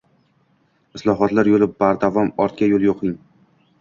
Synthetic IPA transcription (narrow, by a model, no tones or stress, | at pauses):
ɪslˠɒɦɒt̪laɾjolɪp̚baɾd̪avɒmɒɾt̪̚kʲajolˠjoqʰɪŋ